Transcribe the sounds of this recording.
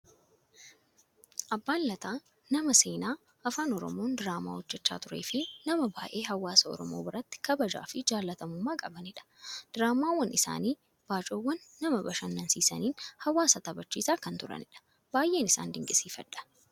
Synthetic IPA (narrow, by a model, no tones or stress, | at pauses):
ʔɐbːaːnlɐt̪aː | nɐmɐse̞ːnaː | ɐfaːnɔɾɔ̰mo̞ːnd̪ɪɾaːma̰ːhɔd͡ʒːɛt͡ʃːa̰ːt̪ʊɾeːfɪnɐmɐbaːʔe̞ːɦɐwaːsɐɔ̰ɾɔmo̰ːbɪɾɐt̪ːɪ̥kɐbɐd͡ʒa̰ːfɪd͡ʒaːlːɐt̪ɐmʊmːaːkʼɐbɐnɪᶑɐ̥d̪̥ɪɾaːmaːwːɐnʔɪsa̰ːniː | b̥aːt͡ʃʼoːwːɐnːɐmɐbɐʃɐnːɐnsiːsɐ̰niːnhɐwaːsɐt̪ɐbɐt͡ʃːiːsaːkɐnt̪ʊɾɐ̰nɪᶑɐ̥ | b̥aːjʔe̞ːnɪsa̰ːnd̪ɪŋkʼɪsiːfɐ̰ᶑːɐ̥